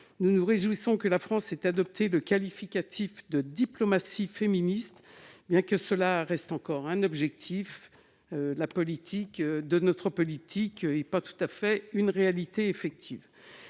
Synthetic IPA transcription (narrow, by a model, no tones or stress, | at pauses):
nunuʁeʒwisɔ̃kəlafχɑ̃sɛt̪ad̪ɔp̚t̪ʰeləkalifikʲat̪ʰifd̪əd̪iplɔmasifeminist̪bjɛ̃kəsəlaʁɛst̪ɑ̃kɔʁɛ̃nɔbʒɛk̚t̪ʰif | ølapɔlit̪ʰikød̪ənɔt̪χəpɔlit̪ʰikɛpat̪u̥t̪afɛynʁealit̪eefɛk̚t̪ʰiv